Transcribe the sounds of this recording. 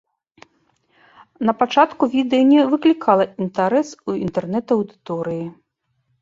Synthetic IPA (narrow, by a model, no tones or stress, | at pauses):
nɐpat͡ʂat̪kuvʲid̪ɛjɐnʲɛvɨklʲikʰalˠɐint̪aɾɛsuint̪ɛrnɛt̪ɐwd̪ɨt̪ɔɾɨji